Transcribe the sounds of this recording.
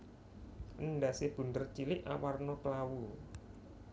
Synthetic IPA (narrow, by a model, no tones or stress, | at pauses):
ʔənɖaseb̥ṳnd̪ərt͡ʃilɪʔa̰warnɔplawu